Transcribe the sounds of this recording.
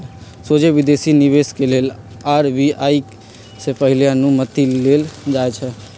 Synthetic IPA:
sod͡ʒebɪd̪esiniβeskeleːl | aɾbiaik | sepəɦiljãnũmət̪ileld͡ʒaet͡ʃʰɛ

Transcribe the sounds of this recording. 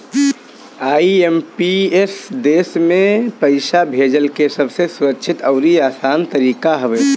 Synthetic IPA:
aːiempiesd̪esmẽpəɪsabʱed͡ʒəlkesəbʱsesuɾək̚t͡ʃʰɪt̪əʊɾiaːsaːnt̪əɾiːkaɦəʋɛ

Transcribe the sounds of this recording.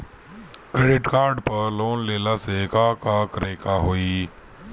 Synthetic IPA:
kɾeːɖɪʈkaːɾɖpəɾloːnleːlaːsekaːkaːkɾeːkaɦoːiː

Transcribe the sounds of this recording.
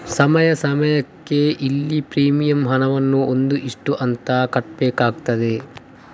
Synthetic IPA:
sɐmɐjɐsɐmɐjɐkːe̞ʔilːipɾiːmijɐmɦɐnɐʋɐnːuond̪uʔiʂʈuʔɐnt̪ɐkɐʈbeːkaːɡ̚t̪ɐd̪e

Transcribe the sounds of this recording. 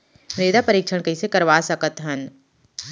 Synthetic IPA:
ɾeːd̪apəɾiːkʃʰəɽ̃kɐisekɐɾʋaːsɐkət̪ɦɐn

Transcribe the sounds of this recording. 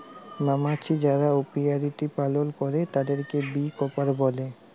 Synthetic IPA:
mamat͡ɕʰid͡ʑaɾaopiaɾit̪ipalolkɔɾet̪ad̪eɾkebikɔpaɾbɔle

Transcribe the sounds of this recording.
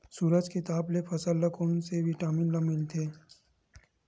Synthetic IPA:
suːɾəd͡ʒket̪aːblepʰɐsəlːɐkoːnseʋɪʈaːmɪnlɐmɪlt̪ʰeː

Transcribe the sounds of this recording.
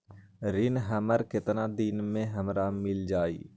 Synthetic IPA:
ɾɪnɦəməɾkɪt̪nad̪ɪnmẽɦəmɾamɪld͡ʒaːḭː

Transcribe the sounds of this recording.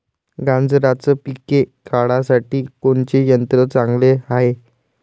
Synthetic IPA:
ɡãnd͡zɾat͡səpikekaɭasaʈiːkoɳt͡ɕejənt̪ɾət͡sãŋɡleaɦe

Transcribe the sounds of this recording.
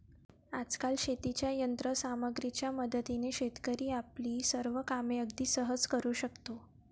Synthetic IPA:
ad͡zkalɕet̪it͡ɕjajənt̪ɾəsaməɡɾit͡ɕjaməd̪t̪ineɕet̪kəɾiːapliːsəɾʋəkameəɡd̪iːsəɦəd͡zkəɾuːɕəkt̪o

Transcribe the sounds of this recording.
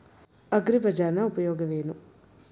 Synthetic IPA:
ɐɡɾipɐd͡ʒaːɾnɐupɐjoːɡɐʋeːnu

